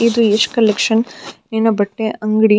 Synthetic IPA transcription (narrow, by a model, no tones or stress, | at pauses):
id̪ueʂkɐlekʂɐnnenɐbɐʈːeʔɐŋɡɽi